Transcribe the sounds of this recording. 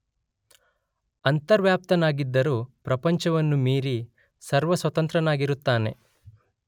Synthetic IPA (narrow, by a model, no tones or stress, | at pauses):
ɐnt̪ɐɾʋjaːp̚t̪ɐnaːɡid̪ːɐɾuːpɾɐpɐɲt͡ʃɐʋɐnːumiːɾi | sɐɾʋɐsʋɐt̪ɐnt̪ɾɐnaːɡiɾut̪ːaːne̞̰